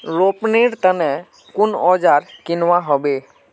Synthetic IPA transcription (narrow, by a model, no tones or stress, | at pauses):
ɾopneɽt̪ənɛ̃ | kʊnɔd͡ʒaɾkɪnʋaɦɔbe